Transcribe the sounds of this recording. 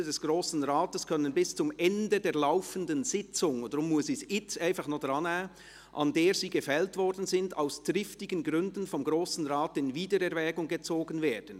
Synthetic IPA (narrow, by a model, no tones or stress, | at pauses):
ədɛsɡ̥ɾoːsn̩ʁaːtəskʰœnənbɪst͡sʊmɛndədeːɐlaʊfəndənz̥ɪt͡sʊŋdəɾʊmːʊsisɪaɪnfɑχnodʁɑnɛː | ʔɑ̰ndeːɾziːɡəfɛltvɔɾdn̩zɪnda̰ʊsd̥ʁɪftɪɡən̩ɡɾʏndn̩fɔmɡɾoːsn̩ʁaːtɪnviːdəɾɛɾvɛːɡʊŋɡət͡soːɡən̩veːd̥n̩